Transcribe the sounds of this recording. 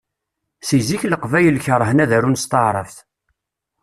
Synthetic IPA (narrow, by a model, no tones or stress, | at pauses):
siziçləqvæjəlçəɾˤəhənæðæɾunst̪əʕɾˤə̰fθ